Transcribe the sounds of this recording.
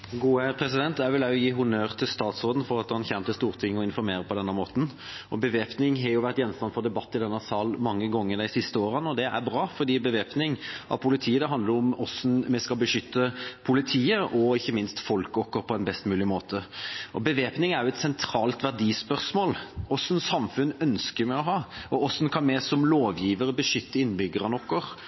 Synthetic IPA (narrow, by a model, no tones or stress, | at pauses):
ɡuːəpʰɾɛsɪd̪ɛnt̪æʋɪlæɔjiːɦʊnøːɾt̪ʰɪlst̪ɑːt̪sʁoːd̪n̩fɔɾɑt̪hɑnçɛnt̪ɪst̪uːɾt̪ʰɪŋːɔɪnfɔɾmeːɾəpʰɔd̪ɛnːəmoːt̪n̩ | ʔɔbəʋeːpnɪŋɦɛɾjʊʋæɾt̪jɛnːst̪ɑnfɔd̪ɛbɑt̪ːɪd̪ɛnːəsɑːlmɑŋːəɡɔŋːəɾd̪æɪsɪst̪əoːɾənɔd̪ɛʔæ̰ɾbɾɑːfɔɾd̪iːbəʋeːpnɪŋʔɑ̰ʋpʰʊlɪt̪ʰiːəd̪ɛɦɑnd̪ləɾʊmɔsnmɛskɑlbəʂʏt̪ːəpʰʊlɪt̪ʰiːəɔɪçːəmɪnst̪fɔlkɔkːəɾpʰɔɛnbɛst̪mʉːlɪmoːt̪ʰəʔɔbəʋeːpnɪŋæɾjʊɛt̪sɛnt̪ʰɾɑːlt̪ʋæʁɖ̪iːspœʁsmoːlʔɔsːənsɑmfʉnːœnskəɾmɛɔɦɑːɔɔsːnkʰɑnmɛsɔmloːʋjiːʋəɾəbəʂʏt̪ːəɪnbʏɡəɾənɔkːəɾ